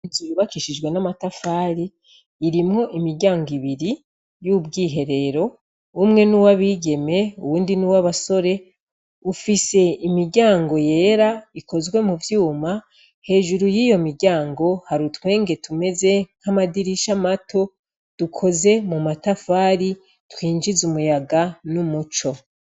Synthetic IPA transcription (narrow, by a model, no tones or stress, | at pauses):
zujuβakiʃid͡ʒɡwe̞namatafaːɾiː | ɾimŋo̞ʔimiɾɟaːŋɡiβiɾi | jubɡiːɦe̞ɾe̞ɾo̞ | umŋe̞nuwaβiɟe̞me̞uβuːndinuwaβaso̞ɾe̞ | ufise̞imiɾɟaːŋɡo̞je̞ːɾaiko̞zwe̞muvjuːma | he̞ːʒuɾujiːjo̞miɾɟaːŋɡo̞haɾutwe̞ːŋɡe̞tume̞ze̞n̥hamadiɾiʃamatʰo̞ | d̥ukʰo̞ze̞mumatafaːɾi | twiːnd͡ʒizumujaɡanumut͡ʃo̞